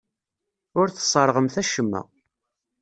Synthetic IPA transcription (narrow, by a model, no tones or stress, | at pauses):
ʊɾθə̥sˤəɾˤʁəmθæʃəmːæ̰